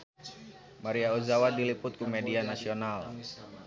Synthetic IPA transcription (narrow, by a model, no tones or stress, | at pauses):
maɾiauzawadilipʊt̪̚kumɛdianasional